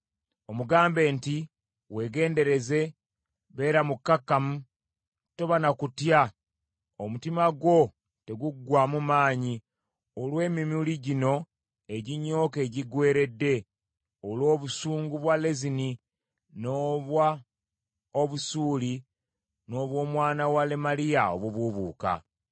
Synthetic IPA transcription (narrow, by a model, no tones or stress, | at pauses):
o̞muɡaːmbe̞ːnti | we̞ːɡe̞ːnde̞ɾe̞ze̞ | βe̞ːɾamukːakːamu | toβanakutja | omutimaɡwo̞ | te̞ɡuɡwamumaːɲi | olwe̞ːmimuliɟino̞ | eɟiɲːo̞ːke̞ːɟiɡwe̞ːɾe̞dːe̞ | olo̞ːβusuːŋɡuβwalezini | noβwa | oβusuːli | no̞ːβwo̞ːmwaːnawalemalijao̰βwoβuβuːka̰